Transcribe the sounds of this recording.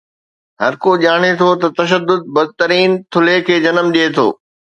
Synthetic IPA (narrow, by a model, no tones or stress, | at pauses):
ɦɐɾkoʄaːɽ̃et̪ʰot̪ɐt̪ɐʃ̬əd̪ːʊd̪̚bɐd̪̚t̪əɾiːnt̪ʰʊlekʰeːd͡ʑɐnəmɗiet̪ʰo̰ː